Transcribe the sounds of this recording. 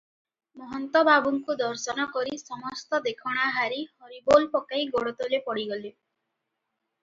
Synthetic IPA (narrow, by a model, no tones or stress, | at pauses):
mɔɦɔnt̪ɔbabuŋkud̪ɔɾsɔnɔkɔɾisɔmɔst̪ɔd̪ekʰɔɽ̃aɦaɾihɔɾibolpɔkajɡɔɽɔt̪ɔlepɔɽiɡɔle